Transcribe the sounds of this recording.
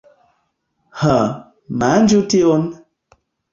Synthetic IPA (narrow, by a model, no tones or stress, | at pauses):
hə | mand͡ʒution